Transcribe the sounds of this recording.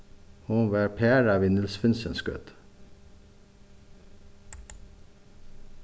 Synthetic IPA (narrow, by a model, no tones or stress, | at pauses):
huːʋæːɾpʰeːɾɑʋɪnɪlsfɪnsənskø̰t̪